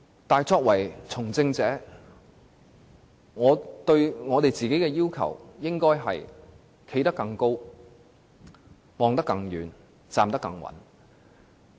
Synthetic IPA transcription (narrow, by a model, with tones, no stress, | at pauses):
t̪aː˨jt͡sɔː˧k̚wɐ˨˩jt͡sʰʊ˨˩ŋt͡sɪ˧ŋt͡sɛː˨˥ | ŋɔː˨˧t̪ɵ˧ɥŋɔː˨˧t̪e˨jt͡siː˨ke˨˥jkɛː˧jiː˥wkʰɐ̰˨˩wjɪ˥ŋkɔː˥jɦɐ̰˨j | kʰe˨˧˥jt̪ɐ˥kːɐ˧ŋko˥w | mɔː˨ŋt̪̬ɐ˥kːɐ˧ŋjyː˨˥n | t͡saː˨mt̪ɐ˥kːɐ˧ŋwɐ̰˨˥n